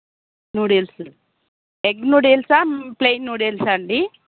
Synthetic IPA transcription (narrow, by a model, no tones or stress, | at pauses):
nuːɽels | eɡ̚nuːɽelsaːmplejnːuːɽelsaɳɖi